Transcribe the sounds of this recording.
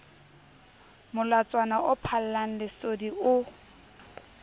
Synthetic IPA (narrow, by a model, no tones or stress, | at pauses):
mʊlat͡sʼwanaʔʊpʰal̩laŋ̩lɪsodiʔʊ